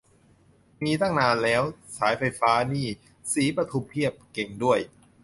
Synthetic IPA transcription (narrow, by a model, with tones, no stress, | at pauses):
miː˧t̪a˥˩ŋnaː˧nlɛː˦˥wsaː˩˦jfa˧jfaː˦˥niː˥˩ | siː˩˦pɾa˧t̪ʰu˧˩pʰi˥˩əp̚ke˨˩ŋdu˥˩əj